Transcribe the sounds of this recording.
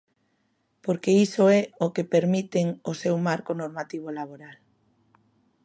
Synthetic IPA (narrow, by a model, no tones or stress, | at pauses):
poɾkeisoɛokepeɾmit̪eŋosewmaɾkonoɾmat̪iβ̞olaβ̞oɾal